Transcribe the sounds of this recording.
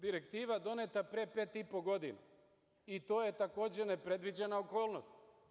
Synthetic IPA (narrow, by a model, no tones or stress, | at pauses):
d̪iɾekt̪iːʋad̪o̞net̪apɾepe̞ːt̪ipo̞ɡo̞d̪ḭna̰ | it̪o̞ːje̞t̪ako̞ːd͡ʑenepɾe̞d̪ʋid͡ʑenaoko̞ːlˠnost̪